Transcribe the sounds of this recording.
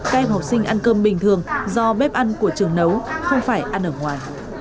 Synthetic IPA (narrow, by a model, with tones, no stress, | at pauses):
ka˧jha˨˩wk͡p̚sï˧ŋ̟ʔa˧nkəː˧mɓï˨˩ŋ̟t̪ʰɨ˨˩əŋzɔ˧ɓɛ˦˥p̚ʔa˧nku˧˩ət͡ɕɨ˨˩əŋnə˨˦wxə˧wŋ͡mfaː˧˩jʔa˧nʔəː˧˩ŋwaː˨˩j